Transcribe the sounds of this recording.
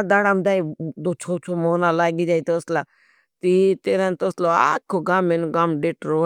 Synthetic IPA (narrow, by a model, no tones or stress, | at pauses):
d̪aːɽãmd̪aːid̪oːt͡ʃʰoːt͡ʃʰoːmoːnaːlaːɡiːd͡ʒaːit̪oːslaː | t̪iːt̪eːɾãnt̪oːsloːa̰ːkʰoːɡaːmenːɡaːmɖeːʈɾoː